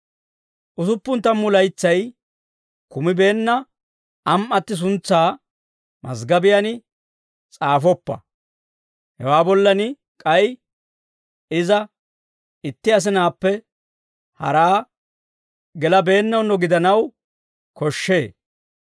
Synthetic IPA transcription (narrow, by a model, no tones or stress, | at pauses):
ʔʊsʊpːʊnt̪ːɐmːʊlɐjt͡sːɐj | kʊmɪbe̞ːnːɐ | ɐmʔɐt̪ːɪs̬ʊnt͡sːaː | mɐ̰sɡɐbɪjɐnɪ | t͡sʼaːfɔpːɐ̰ | hɛ̰waːbɔlːɐnɪ | kʼɐj | ɪzɐ | ɪt̪ːɪɐs̬ɪnaːpːɛ | hɐ̰ɾaː | ɡɛlɐbe̞ːnːɐwnːɔɡɪd̪ɐnɐw | kɔʃːe̞ː